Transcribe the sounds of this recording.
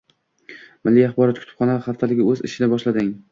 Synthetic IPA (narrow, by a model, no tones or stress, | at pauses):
mɪlːiɑχbɒɾɒt̪̚kʰʊ̥ɪ̥p̚χɒnaχɑft̪ʰalɪɡʲɪɵzɪ̰ʃɪd̪abɒʃlad̪ɪŋ